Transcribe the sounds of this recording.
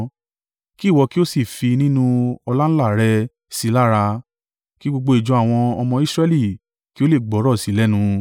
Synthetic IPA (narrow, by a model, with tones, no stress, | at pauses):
ki˦˨wɔ˧ki˦o˦si˦˨fi˧nĩ˦nũ˧ɔ˧la˦ñ̩˦la˦˨ɾɛ˧ | si˨˦la˦ɾa˧ | ki˦ɡ͡bo˧ɡ͡bo˧i˨d͡ʒũ˧a˨w̃ɔ̃˧ɔ˧mɔ̃˧i˦sɾɛ˧li˦˨ | ki˦o˦le˦˨ɡ͡bɔ˨˦ɾɔ˦˨si˨˦lɛ˦nũ˧